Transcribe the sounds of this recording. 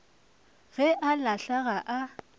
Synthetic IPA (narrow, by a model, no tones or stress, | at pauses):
ɣɛʔalaɬaɣaʔa